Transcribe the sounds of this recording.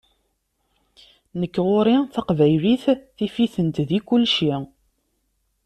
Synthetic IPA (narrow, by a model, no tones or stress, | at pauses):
nəkːʁʊɾiθɑqvæjliθθifiθənt̪ðikʊlʃi